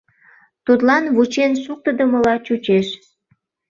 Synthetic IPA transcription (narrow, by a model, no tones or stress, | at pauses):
t̪ut̪lɑnβut͡ɕenʃuk̚t̪əd̪əməlɑt͡ɕut͡ɕeʃ